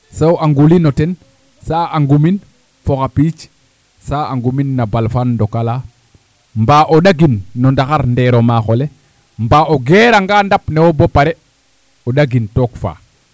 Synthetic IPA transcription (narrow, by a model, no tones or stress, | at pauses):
sowaŋɡulinotɛn | saːaŋɡumin | foxapiːt͡ʃ | saːaŋɡuminːabalfanːdokala | mbaːʔoɗaɡinːondaxaɾndeɾomaːxole | mbaːoɡeɾaŋɡandapnewobopaɾe | oɗaɡintoːkfa̰ː